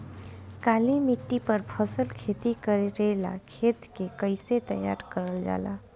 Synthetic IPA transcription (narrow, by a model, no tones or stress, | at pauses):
kaːlimɪʈːipəɾpʰəsəlkʰeːt̪ikəɾeɾela̰kʰeːt̪kekəɪset̪əja̰ːɾkəɾəld͡ʒa̰ːla̰ː